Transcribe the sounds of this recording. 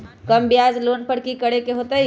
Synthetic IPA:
kəmbijad͡ʒlonpəɽkikəɽekeɦot̪əj

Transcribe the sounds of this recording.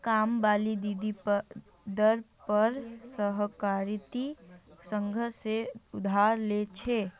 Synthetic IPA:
kambalid̪id̪i | d̪əɾ | pəɾsəɦkaɾit̪isəŋɡʱəseʊd̪ʱaɾlet͡ʃʰe

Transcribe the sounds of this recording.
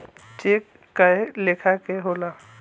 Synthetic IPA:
t͡ʃeːkː | aelekʰakeɦoːla

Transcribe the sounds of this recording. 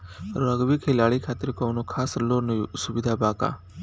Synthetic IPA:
ɾəɡʋikʰelaɭikʰat̪iɾkɔnukʰaːslonəjusubid̪ʱabaka̰

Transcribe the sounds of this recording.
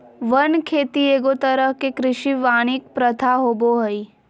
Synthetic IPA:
ʋənkʰeːt̪ieːɡot̪əɾəɦkekɾɪʃiʋaːɽ̃ik̚pɾət̪ʰaɦoːboɦəi

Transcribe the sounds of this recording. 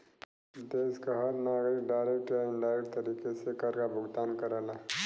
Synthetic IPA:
d̪eːskaɦɐɾnaːɡɾɪkɖaːɪɾeːk̚ʈaɪ̃ɳɖaːeʈt̪ɐɾiːkesekɐɾkabʱʊɡt̪aːnkɐɾaːla

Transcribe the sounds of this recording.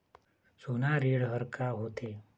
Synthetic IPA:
sonaɾeːɽɦəɾkaɦoːt̪e

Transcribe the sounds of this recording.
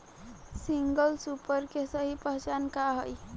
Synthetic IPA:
siŋɡəlsupəɾkesəɦipəɦt͡ʃankaɦəj

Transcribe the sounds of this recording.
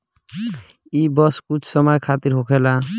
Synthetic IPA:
ibʌskut͡ʃʰsʌmʌjkʰat̪iɾɦokʰela

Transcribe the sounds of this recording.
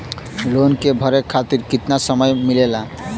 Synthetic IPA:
lonkebʱɔɾekʰat̪iɾkit̪naʃɔmɔemilela

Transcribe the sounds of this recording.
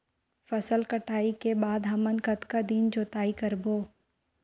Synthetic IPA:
fɐsəlkɐʈʰaːikebaːd̪ɦɐmənkɐt̪kad̪iːnd͡ʒoːt̪aːikɐɾboː

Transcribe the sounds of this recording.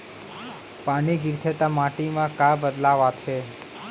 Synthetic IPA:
paɽ̃iɡiɾt̪ʰət̪amaʈimãkabəd̪laʋat͡ʃʰe

